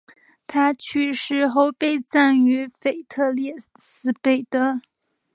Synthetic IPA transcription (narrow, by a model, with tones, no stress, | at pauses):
t̪ʰa˥t͡ɕʰy˥˧ʂɻ̩˥˩xo˥˧ʊpe˥˧ɪt͡sa˥˩ny˧˥fe˨˩ɪt̪ʰɤ˥˧ljɛ˥˩sɹ̩˥pe˥˩ɪd̪ə˦